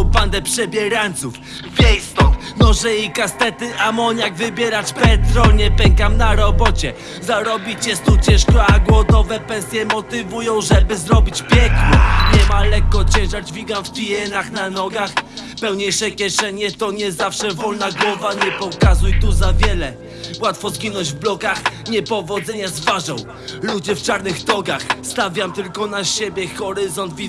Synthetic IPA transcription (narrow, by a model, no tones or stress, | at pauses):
band̪ɛpʂɛbʲjɛɾaɲt̪suf | pʲjɛjst̪ɔmɔʐɛjejkast̪ɛt̪ɘʔamɔɲaɡvɘbʲjɛɾat͡ɕpɛt̪ɾɔɲɛpɛŋkamnaɾɔbɔt͡ɕɛ | zaɾɔbʲit͡ɕɛst̪ut͡ɕɛ̃ʂkɔaɡwɔd̪ɔvɛpɛnsʲjɛmɔt̪ɘvujɔ̃w̃ʐɛbɘzɾɔbʲit͡ɕpʲjɛknɔɲɛmalɛkːɔt͡ɕɛ̃ʐad͡ʑvʲiɡamfpʲijɛnaxnanɔɡaxpɛwɲejʂɛkʲjɛʂɛɲɛt̪ɔɲɛzafʂɛvɔlnaɡwɔvaɲɛpɔkazujt̪uzavʲjɛlɛ | wat̪fɔzɡʲinɔ̃d͡ʑvblɔkaxɲɛpɔvɔd̪zɛɲazvaʐɔ̃w̃ | lud͡ʑɛft͡ʂaɾnɘxt̪ɔɡaxst̪avʲjamt̪ɘlkɔnaɕebʲjɛxɔɾɘzɔnd̪vʲi